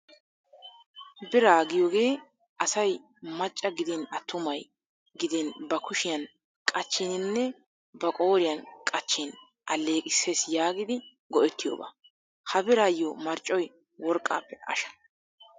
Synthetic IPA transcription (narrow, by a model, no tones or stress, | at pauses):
bɪɾaːɡɪjoːɡe̞ː | ʔɐsɐj | mɐt͡ʃʼːɐɡɪd̪ɪnɐt̪ːʊmɐj | ɡɪd̪ɪnbɐkʊʃɪjɐn | kʼɐt͡ʃːɪnɪnːɛ | bɐkʼo̞ːɾɪjɐnkʼɐt͡ʃːɪn | ʔɐlːe̞ːkʼɪsːe̞ːsjaːɡɪd̪ɪ | ɡɔʔɛt̪ːɪjo̰ːba̰ | hɐbɪɾaːjːomɐɾt͡ʃʼːɔj | wɔɾkʼːa̰ːpːɛɐ̰ʃɐ̥